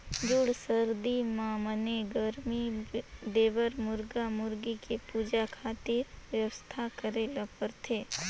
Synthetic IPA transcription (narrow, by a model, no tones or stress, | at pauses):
d͡ʒʊɽsəɾd̪imãːməneɡəɾmid̪eːʋəɾmʊɾɡamʊɾɡikepuːd͡ʒakʰaːt̪ɪɾʋjəʋəst̪ʰakəɾeːlapəɾt̪ʰeː